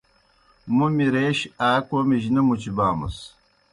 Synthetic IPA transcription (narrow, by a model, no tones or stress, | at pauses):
mumiɾeʃaːkʷomiʒinɐmut͡ʃibaːmə̰s